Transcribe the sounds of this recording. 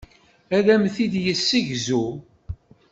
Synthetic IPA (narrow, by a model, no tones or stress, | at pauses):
æðæmθiðjəsːiʝzu